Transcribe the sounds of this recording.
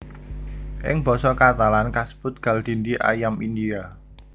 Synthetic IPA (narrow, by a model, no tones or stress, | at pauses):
ʔɪ̰ŋb̥ɔ̤sɔkat̪alankasə̥pʊt̪̚ɡ̥a̤ld̪̥i̤nd̪iʔa̰jamind̪ia